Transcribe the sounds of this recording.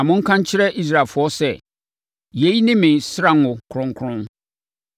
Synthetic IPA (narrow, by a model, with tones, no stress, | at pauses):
ã˨mʊ̃˦ŋ̩˦kʰã˦ɲ˦t͡ɕʰɪ˦ɾɛ˦ʔi˦s̬ɾa˦˨lfʊ˨˦ɔ˦sɛ˦˨ | je˨˦i˦nɪ̃˦mɪ̃˨sɾã˨n˦ʊ̃˨kʰʊ˨ɾʊ̃˦ŋ˦kʰʊ˦ɾʊ̃˦n